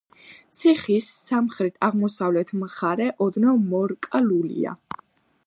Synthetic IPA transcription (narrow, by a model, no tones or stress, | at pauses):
t̪sʰiχisːamχɾit̪ʰaʁmɔsavlɛt̪ʰmχaɾɛʔɔd̪nɔmɔɾkʼalulḭa̰